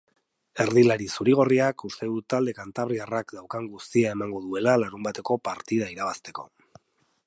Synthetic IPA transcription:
e̞ɾðilaɾisuɾiɣ̞o̞riakust̪e̞ðut̪ald̪e̞kant̪aβ̞ɾiarakd̪awkaŋɡust̪iae̞maŋɡo̞ðue̞lalaɾumbat̪e̞ko̞paɾt̪ið̞aiɾaβ̞ast̪e̞ko̞̰

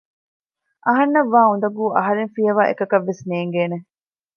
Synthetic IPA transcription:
ʔɐɦɐnːɐʋːaːund̪ɐɡuːʔɐɦɐɾeŋfiɐʋaːʔḛkɐkɐʋːesneːŋɡeːne

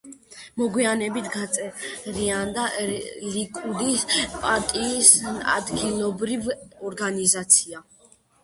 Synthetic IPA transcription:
mɔɡwianɛbit̪ʰɡat̪sʼɛɾiand̪alikʼud̪ispʼaɾt̪ʼiːsa̰d̪ɡilˠɔbɾivɔɾɡanizat̪sʰia

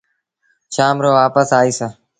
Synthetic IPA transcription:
ʃaːmɾoːʋaːpəsaːiːsə

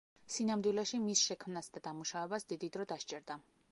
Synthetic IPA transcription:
sinamd̪wilɛʃimisʃɛkʰmnasd̪ad̪amuʃavɛbasd̪id̪id̪ɾɔd̪aʃt͡ʃʼɛɾd̪a

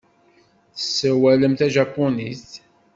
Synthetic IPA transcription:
θəsːæwæləmt̪æʒɑpːʊnist̪

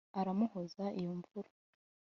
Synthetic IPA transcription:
aɾamuhozaʔijoɱvuɾa

